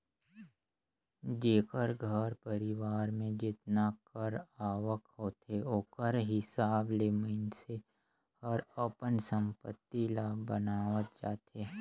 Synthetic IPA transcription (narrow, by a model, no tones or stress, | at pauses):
d͡ʒeːkəɾɡʱəɾpəɾɪʋaːɾmẽd͡ʒɪt̪nakəɾaːwəkɦoːt̪eoːkəɾɦɪsaːbleːminse | hɐɾəpənsə̃mpət̪ːilaːbənaːʋət̪̚d͡ʒa̰ːt̪ʰeː